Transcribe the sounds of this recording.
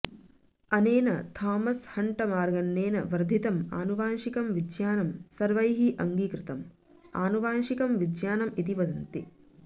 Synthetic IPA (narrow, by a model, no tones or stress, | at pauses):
ɐneːnɐt̪ʰaːmɐshɐɳʈɐmaːɾɡɐnːeːnɐ̰ʋɐɾd̪ʱit̪ɐmaːnuʋaːnʂikɐmʋid̪jaːnɐmsɐɾʋɐjɦiʔɐŋɡiːkɾɪt̪ɐm | aːnuʋaːnʃikɐmʋid̪jaːnɐmit̪̬iʋɐd̪ɐnt̪i